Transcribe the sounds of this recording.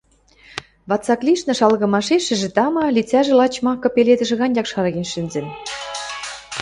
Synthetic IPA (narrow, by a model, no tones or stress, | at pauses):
βɑt͡sɑkliʃnɤ̆ʃɑlɣɤ̆mɑʃeʃɘ̆ʒĕt̪ɑmɑlit͡sæʒĕlɑt͡ɕmɑkːɤ̆peled̪ə̆ʒɘ̆ɣɑnʲjɑkʃɑɾɑɣenʃɘ̆nzɘ̆n